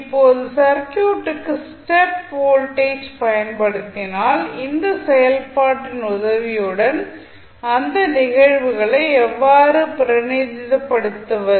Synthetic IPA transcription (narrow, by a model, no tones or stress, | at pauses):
ɪpːoːðɯsɐɾkjuːʈːɯkːɯsʈɛpʋoːlʈeːd͡ʒpɐjɐnpɐɽɯt̪ːɪnaːlɪnd̪ɐsɛjɐlpaːʈːɪnʊðɐʋɪjɯɽɐn | ɐnd̪ɐnɪɣɐɻʋɯɣɐɭɐɪɛʋːaːɾɯpɪɾɐnid͡ʒɪðɐpːɐɽɯt̪ːɐʋɐ